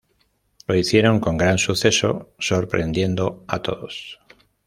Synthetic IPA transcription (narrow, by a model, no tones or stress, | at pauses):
lo̞iθje̞ɾo̞ŋko̞ŋɡɾansuθe̞so̞̰so̞ɾpɾe̞nd̪je̞nd̪oat̪o̞ðos